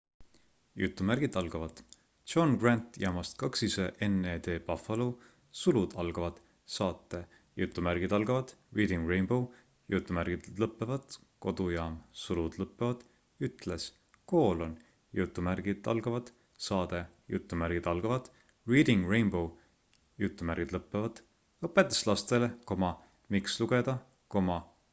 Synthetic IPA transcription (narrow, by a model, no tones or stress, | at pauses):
jut̪ːˑumærɡ̥id̪ɑlɡ̥ɑvɑd̪̥ | t͡ʃonɡ̥rænt̪jɑːmɑst̪kɑksiseʔeneːd̪e̞ːpɑfɑlu | sulud̪̥ɑlɡ̥ɑvɑd̪̥ | sɑːt̪ːe | jut̪ˑːumærɡ̥id̪ɑlɡɑvɑd̪̥riːd̪̥iŋɡrejnb̥o̞w | jut̪ːˑumærɡ̥id̪̥lɤpːˑevɑd̪̥ | ko̞d̪̥ujɑːmsulud̪̥lɤpːevɑd̪̥ | yt̪les | ko̞ːlo̞n | jut̪ːˑumærɡ̥id̪̥ɑ̰lɡ̥ɑvɑd̪̥ | sɑːd̪̥e̞jut̪ːˑumæɾɡ̥id̪̥ɑlɡ̥ɑvɑd̪̥ | riːd̪iŋɡrejnbo̞w | jut̪ːˑumærɡ̥id̪lɤpːevɑd̪̥ | ɤpːˑet̪ːˑu̥slɑst̪eleko̞mɑ | miksluɡ̥e̞d̪̥ɑ | ko̞mɑ